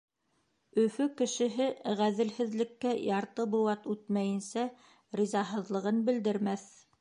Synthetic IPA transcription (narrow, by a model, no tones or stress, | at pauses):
ɵ̆fɵkɘ̆ʃɘ̆ɦɘʁæðɘ̆lhɘ̆ðlɘ̆kːæjɑɾt̪ɤbulˠɑt̪ʉt̪mæjɘ̆nsæ | ɾizɑɦɤ̆ðlˠɤ̆ʁɤnbɘ̆ld̪ɘ̆ɾmæθ